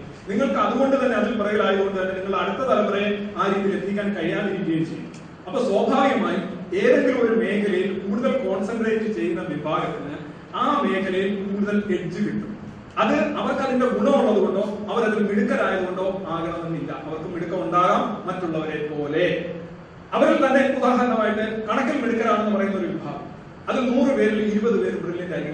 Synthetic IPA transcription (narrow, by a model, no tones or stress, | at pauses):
niŋːɐɭkɨɐðuɣo̞ɳɖɨt̪ɐnːeɐðilpirɐjilaːjiðoɳɖɨt̪ɐnːeniŋːɐɭɐɽut̪ːɐt̪ɐlɐp̪ːɐrɐjeaːɾiːðilet̪ːikʲːaːnkɐjːaːnɐɾiːðijɐjimt͡ɕe̞jːuː | ɐpːoːswoːbʱaːʋjɐmaːjie̞ːðɐŋɡiɭo̞ɾume̞ːkʰɐlɐjilkuːɽuðɐlko̞ːɳsɐɳɖreːtːɨt͡ɕe̞jːunːɐʋibʱaːɡɐt̪ːinɨ | aːme̞ːkʰɐlɐjilkuːɽuðɐleɽt͡ɕːɨʋiʈːum | ɐðɨɐʋɐrkɐðinde̞ɡuɳɐmuɭːɐðuɣo̞ɳɖo̞ːɐʋɐɾɐðilmiɽukːɐɾaːjɐðuɣo̞ɳɖo̞ːaːɣɐɳɐnːɐnːilːɐ̰ɐʋɐrkɨmiɽukːɐmuɳɖaːɣaːmːɐtːuɭːɐʋɐɾepo̞ːle̞ | ɐʋɐɾɐlt̪ɐnːe̞uðaːɦɐɾɐnɐmaːjiʈːɨkɐɳɐkːilmiɽukːɐɾaːɳenːɨpɐrɐjunːo̞ɾuʋibʱa̰ːɡɐ̰m | ɐðinuːrɨpe̞ːɾiliɾubɐðɨpeːɾumbriljɐndaːjiɡi